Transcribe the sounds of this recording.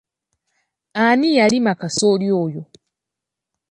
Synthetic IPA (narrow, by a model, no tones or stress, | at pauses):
anijalimakasoljoːjo